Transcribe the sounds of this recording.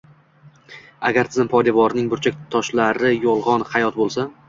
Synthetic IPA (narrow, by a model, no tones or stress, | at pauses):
aɡʲaɾt̪ʰɪzɪmpʰɒjd̪avɒɾnɪŋbʊɾt͡ʃʰakʲt̪ʰɒʃlaɾɪjɒlˠʁɒnhajɒt̪̚bolˠsa